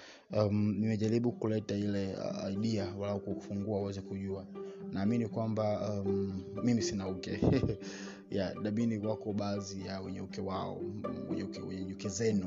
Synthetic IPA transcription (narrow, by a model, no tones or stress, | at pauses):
amnimɛʄaɾiɓukulɛtailɛ̰a̰iɗiawalaɔkufuŋɡuauwɛzɛkuʄuanaːminikwambam̩mimisinaukɛ | jaɗaminiwakɔɓaːzijawɛɲɛukɛwaɔ̰wɛ̰ɲɛukɛwɛɲɛɲukɛzɛnu